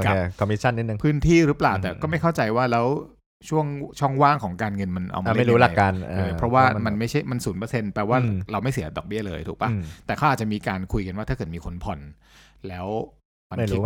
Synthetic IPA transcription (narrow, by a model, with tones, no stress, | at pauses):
ka˨˩˥kʰɔ˧mːi˦˥t͡ɕʰa˥˩nːi˦˥nɯ˧ŋpʰɯː˦˥nt̪ʰiː˥˩ɾɯ˦˥plaː˨˩wt̪ɛː˨˩kɔː˥˩ma˥˩jkʰa˥˩wt͡ɕa˧jwaː˥˩lɛː˦˥w | t͡ɕʰu˥˩əŋt͡ɕʰɔ˥˩ŋwaː˥˩ŋkʰɔː˩˦ŋkaː˧nŋɤ˧nma˧nʔa̰˧wma˧˦˥ɾuː˦˥la˨˧jkːa˧na˧˩a˦˥pʰɾɔ˦˥waː˥˩ma˧nma˥˩jt͡ɕʰa˥˩jma˧nsuː˩˦npɤː˧se˧npɛː˧waː˥˩ɾa˧wma˥˩jsi˨˩˦dɔ̰˨˩k̚bi˥˩ɐlɤː˧jt̪ʰuː˨˩k̚pa˦t̪ɛː˨˩kʰa˦˥wʔ̪̚ːt͡ɕa˨˩miː˧kaː˧nkʰu˧jka˧nwaː˥t̪ʰa˥˩kːɤː˨˩t̪miː˧kʰo˧npʰɔ˨˩n | lɛː˦˥w | ma˧n˥˩˦